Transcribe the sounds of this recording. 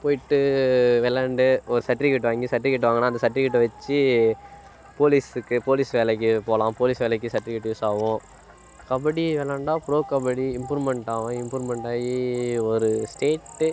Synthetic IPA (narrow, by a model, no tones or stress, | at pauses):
poːjɪʈːɯʋɛlɐɳɖɯɔɾɯsɐʈːɾikːɪʈ̬ːɯʋaːŋɡisɐʈːɾikːɪʈ̬ːɯʋaːŋɡɐnːaːɐnd̪ɐsɐʈːɾikːɪʈːɯʋɐt͡ʃːɯ | poːlisɯkːɯpoːlɪsʋɛːlɛk̬ːɯpoːlãːpoːlɪsʋɛːlɛk̬ːɯsɐʈːɾɪkːɪʈːuːsaːʋʊ̃ | kɐbɐɽiʋɛlɐɳɖaːpɾoːkɐbɐɽiɪmpuːɾmɛɳʈaːʋʊ̃ɪmpuːɾmɛɳʈaːjiɔɾɯsʈeːʈː